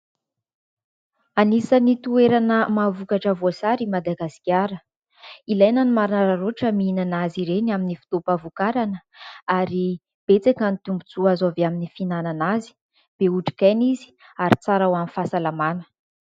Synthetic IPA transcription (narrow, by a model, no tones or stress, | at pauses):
anisanit̪ueɾanəmavukaʈ͡ʂəvoasaɾimad̪aɡasi̥kʲaɾə | ilajnanimaɾinaɾaɾoʈ͡ʂəmiinanaziɾenaminifi̥t̪opavukaɾanəaɾi | b̥et͡sakanit̪umbut͡suazavaminifinananazi̥ | b̥euʈ͡ʂi̥kajnizi̥ | aɾit͡saɾawanifasalamanə̥